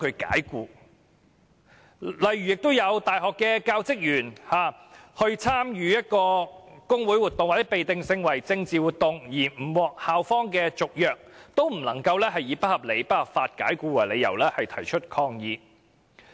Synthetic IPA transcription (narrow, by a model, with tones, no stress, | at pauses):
kʰɵ˨˧ka̰ː˨˥jkuː˧ | lɐ˨jɥyː˨jɪ˨k̚t̪o˥wjɐ˨˧wt̪aː˨jhɔː˨kːɛː˧kaː˧wt͡sɪ˥k̚jyː˨˩nhaː˨˩hɵ˧ɥt͡sʰaː˥mjyː˨jɐ˥t̚kɔː˧kʊ˥ŋwuː˨˥jwu˨t̪ʊ˨ŋwa˨˩t͡sːɛ˦˥pe˨jt̪ɪ˨ŋsɪ˧ŋwɐ˨˩jt͡sɪ˧ŋt͡siː˨wu˨t̪ʊ˨ŋjiː˨˩m̩˨˩wɔː˨k̚haː˨wfɔː˥ŋkɛː˧t͡sʊ˨k̚jœː˨k̚t̪o˥wm̩˨˩lɐ˨˩ŋkɐ˧wlɛː˥ɦɐ˨jjiː˨˧˥pɐ˥t̚hɐ˨p̚le˨˧jpɐ˥t̚hɐ˨p̚faː˧t̚kaː˨˥jkuː˧wa˨˩le˨˧jɐ̰˨˩wlɛː˥hɐ˨jt̪ʰɐ˨˩jt͡ʃʰɵ˥t̚kʰɔː˧ŋjiː˧